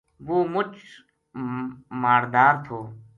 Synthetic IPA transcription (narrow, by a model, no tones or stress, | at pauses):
ʋoːmʊt͡ʃʰ | maːɽd̪aːɾt̪ʰoː